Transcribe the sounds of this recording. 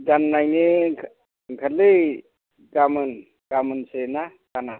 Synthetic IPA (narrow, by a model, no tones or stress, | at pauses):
ɡanːajni | kʰalɯj | ɡamɯn | ɡ̥amɯnsena | kana